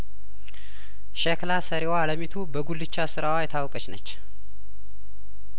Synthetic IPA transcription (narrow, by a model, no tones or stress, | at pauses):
ʃɛklasəɾewaːləmit̪ʰubəɡulːɨt͡ʃːasɨɾawajɛt̪ʰawkʼət͡ʃnət͡ʃː